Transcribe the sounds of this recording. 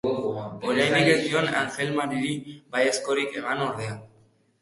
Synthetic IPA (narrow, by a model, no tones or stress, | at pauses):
oɾajnikesd̪iona̰ŋxelmaɾiɾibajesko̞ɾike̞mano̞ɾð̞ea